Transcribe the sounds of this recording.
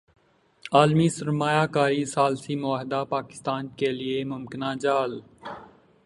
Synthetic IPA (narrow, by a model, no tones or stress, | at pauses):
aːlmisəɾmaːjaːkaːɾisaːlsimʊaːɦɪd̪aːpaːkɪ̥st̪aːnkeliemʊmkɪnaːd͡ʒaːl